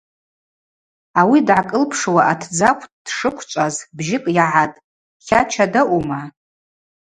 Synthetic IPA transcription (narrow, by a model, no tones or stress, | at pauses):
awidʕakʼɨlpʰʂwaʔatʰd͡zakʷʰʼd̥ʂɨkʷʰt͡ʃʷʼazbʒɪkʼjaʕatʼ | χʲat͡ʃʰadaʔuma